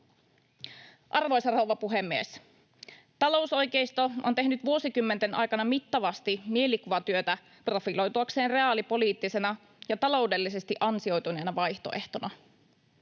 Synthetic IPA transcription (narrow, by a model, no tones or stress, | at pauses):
ʔɑrʋo̞jsɑrowʋɑpuɦemːiḛs | t̪ɑlo̞wso̞jke̞jst̪o̞ont̪e̞ɦnyt̪ʋuo̞sikymːent̪enʔɑ̰jkɑnɑmit̪ːɑʋɑst̪imie̞likuʋɑt̪yøt̪æ | pro̞filo̞jt̪uɑkse̞ːnre̞ɑːlipo̞liːt̪ːise̞nɑ | jɑt̪ɑlo̞wde̞lːise̞st̪iʔɑnsio̞jt̪une̞ːnɑʋɑjçt̪o̞̰ʔe̞ht̪o̞nɑ